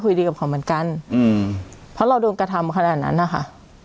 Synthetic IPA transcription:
kʰu˧jdiː˧ka˨˩pkʰa˨˩˦wmɯ˩˦nka˧nː˧ | pʰɔ˦˥ɾa˧wdoː˧nka˧t̪ʰa˧mkʰa˧naː˨˩t̪̚na̰˦˥nːa˧˩xʰa̰˦˥˩ʔ

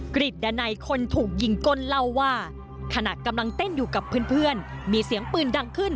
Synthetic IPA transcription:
kɾi˨˩t̪̚da˧na˧jkʰo˧nt̪ʰuː˨˩k̚ji˧˩ŋko˧˥˨nla˧˥˩wːaː˥˩ | kʰa˧na˨˩kːa˧mla˧ŋt̪e˥˩njuː˨˩ka˨˩pʰːɯː˦˥ə˨npʰɯ˥˩ən | miː˧si˨˩˦əŋpɯː˧˩nda˧ŋkʰɯ˥˩n

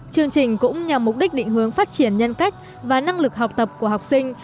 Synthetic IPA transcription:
t͡ɕɨ˧əŋt͡ɕï˨˩ŋ̟kʊ̰˧˥ŋ͡mɲa˨˩mːʊ˨˩k͡p̚ɗi˦˥k̟̚ɗḭ̈˧˨ŋ̟hɦɨ˨˦əŋfaː˦˥t̚t͡ɕi˧˩ənɲə˧nka˦˥jk̟̚ | vaː˨˩na˧ŋlɨ˨˩k̚ha˨˩wk͡p̚t̪ə˨˩p̚ku˧˩əɦa˨˩wk͡p̚si˧ŋ̟

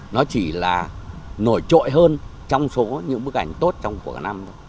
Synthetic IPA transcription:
nɔ˨˦t͡ɕi˧˩laː˨˩no˧˩jt͡ɕo̰˧˨jɦəː˧nt͡ɕɔ˧wŋ͡mso˨˦ɲɨ̰˧˥ŋɓɨ˦˥ək̚ʔa̰˧˩jŋ̟t̪o˦˥t̚t͡ɕɔ˧wŋ͡mku˧˩əkna˧m˧˦

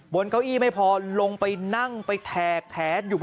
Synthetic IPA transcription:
bo˨˧˦nka˧wʔiː˥˩ma˥˩jpʰɔː˧lo˧ŋpa˧jna˥˩ŋpa˧jt̪ʰɛː˨˩k̚t̪ʰɛː˨˩˦t̪̚juː˨˩

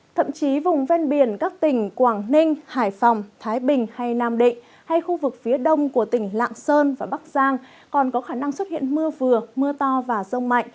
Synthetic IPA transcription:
t̪ʰə̰˧˨mt͡ɕi˨˦vʊ˨˩ŋ͡mvɛ˧nɓi˨˧˩ənkaː˦˥k̚t̪ï˧˩ŋ̟kwaː˧˩ŋnï˧ŋ̟haː˧˩jfɔ˨˩wŋ͡mt̪ʰaː˨˦jɓï˨˩ŋ̟ha˧jnaː˧˩mɗḭ˧˨ŋ̟ | ha˧jxu˧vɨ˨˩k̚fi˨˦əɗə˧wŋ͡mku˧˩ət̪ï˧˩ŋ̟la̰ː˧˨ŋsəː˧nvaː˨˩ɓa˦˥k̚z̥aː˧ŋ | kɔ˨˩nkɔ˨˦xaː˧˩na˧ŋswə˦˥t̚hḭ˧˨ənmɨ˧əvɨ˨˩əmɨ˧ət̪ɔ˧vaː˨˩zə˧wŋ͡mma̰˧˨jŋ̟

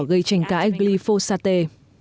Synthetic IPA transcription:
ɣə˧jt͡ɕa˧˩jŋ̟ka̰ː˧˥jɣli˧fo˧saː˧t̪e˧

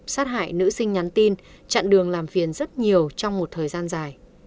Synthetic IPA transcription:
saː˦˥t̚ɦa̰ː˧˨jnɨ̰˧˥sï˧ŋ̟ɲa˨˦nt̪i˧n | t͡ɕa̰ː˧˨nɗɨ˨˩əŋlaː˨˩mvi˨˩ənzə˦˥t̚ɲi˨˩əwt͡ɕɔ˧wŋ͡mmo˨˩t̚t̪ʰəː˨˩jzaː˧nzaː˨˩j

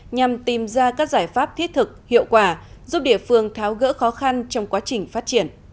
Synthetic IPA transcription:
ɲa˨˩mt̪i˨˩mzaː˧kaː˦˥k̚zaː˧˩jfaː˦˥p̚t̪ʰi˦˥t̚t̪ʰɨ˨˩k̚hḭ˧˨əwkwaː˧˩ | zu˦˥p̚ɗḭ˧˩əfɨ˧əŋt̪ʰaː˨˦wɣə̰ː˧˥xɔ˨˦xa˧nt͡ɕɔ˧wŋ͡mkwaː˨˦t͡ɕï˨˩ŋ̟faː˦˥t̚t͡ɕi˧˩ən

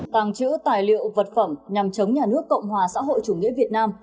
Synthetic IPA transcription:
t̪a˨˧˩ŋt͡ɕɨ̰˧˥wt̪aː˨˩jlḭ˧˨əwvə˨˩t̚fə˧˩mɲa˨˩mt͡ɕə˨˦wŋ͡mɲaː˨˩nɨ˦˥əkːə̰˧˨wŋ͡mhwaː˨˩sa̰ː˧˥ɦo̰˧˨jt͡ɕu˧˩ŋḭ˧˥əvi˨˩ət̚naː˧m

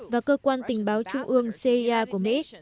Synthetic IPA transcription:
vaː˨˩kəː˧kwaː˧nt̪ï˨˩ŋ̟ɓaː˨˦wt͡ɕʊ˧ŋ͡mʔɨ˧əŋse˧i˧ʔaː˧ku˧˩əmḛ˧˥

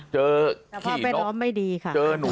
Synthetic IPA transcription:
t͡ɕɤː˧˨˩kʰpʰiɔ˦˥˩pe˧nlɔː˦˥mːa˥˩jdiː˧kʰa˥˩t͡ɕɤː˧nu˨˦

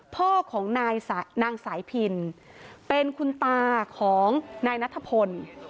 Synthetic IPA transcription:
pʰoː˥˩kʰːɔː˩˦ŋnaː˧jsa˩˦naː˧ŋsaː˩˦jpʰi˧n | pe˧nkʰu˧nt̪aː˧kʰɔː˩˦ŋnaː˧jna˦˥t̪ʰːa˧˩pʰo˧n

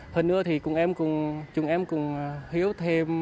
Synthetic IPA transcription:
həː˨˩nʔɨ̰˧˥ət̪ʰi˨˩kʊ˨˩ŋʔɛ˧mkʊ˨˩ŋ͡mt͡ɕʊ˨˩ŋʔɛ˧mkʊ˨˩ŋ͡mhi˨˦əwt̪ʰe˧m

